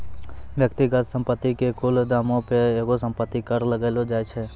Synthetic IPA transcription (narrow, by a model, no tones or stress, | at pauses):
ʋjəkt̪iɡət̪sə̃mpət̪ːikekʊld̪aːmõpeeːkosə̃mpət̪ːikəɾləɡeːlod͡ʒaːet͡ʃʰeː